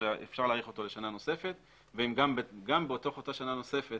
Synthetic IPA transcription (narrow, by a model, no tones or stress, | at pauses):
eʔḛfʃaʁlaːʁiχo̞t̪ole̞ʃanano̞se̞fe̞t̪ | veimɡambɡambeoto̞χotaʃanano̞se̞fe̞t